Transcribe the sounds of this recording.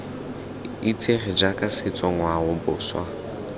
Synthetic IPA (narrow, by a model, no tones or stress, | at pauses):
it͡sʰʼeχɪd͡ʒakʼasɪt͡sʼɔŋwaʊbʊːswa